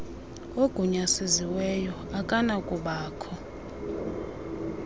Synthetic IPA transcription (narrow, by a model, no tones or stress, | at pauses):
oɡ̥ʱuɲasiziwɛjɔ | akʼanakʼuɓaːkʰɔ